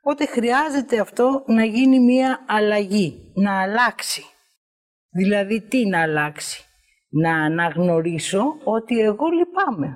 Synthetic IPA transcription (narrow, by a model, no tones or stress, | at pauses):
po̞t̪e̞xɾiɐze̞t̪e̞ɐft̪o̞nɐʝinimiɐːlɐʝinɐːlɐksi̥ | ðilɐðit̪inɐːlɐksi̥ | nɐːnɐɣno̞ɾiso̞o̞t̪ie̞ɣo̞lipɐme̞